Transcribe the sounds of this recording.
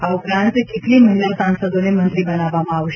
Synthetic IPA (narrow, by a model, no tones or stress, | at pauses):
ɦaupɾãnt̪ket̪liːməɦilasãnsəd̪onemənt̪ɾibənaʋamãaʋʃe